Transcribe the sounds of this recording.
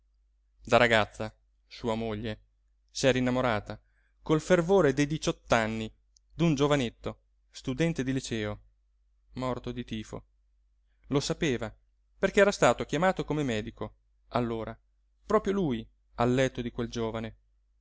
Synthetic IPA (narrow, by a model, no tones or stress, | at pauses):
d̪aɾaɡat̪sːa | suːamoʎːe | sɛːɾainːamoɾaːt̪a | kolfervoːɾed̪ejd̪it͡ʃɔt̪ːanːi | d̪und͡ʒovanet̪ːo | st̪ud̪ɛnt̪ed̪ilit͡ʃɛːo | mɔrt̪od̪it̪iːfo̰ | losapeːva | perkeɛːɾast̪aːt̪okjamaːt̪okomemɛːd̪iko | alːoːɾa | pɾɔːpɾjoluːj | alːɛt̪ːod̪ikweld͡ʒoːvane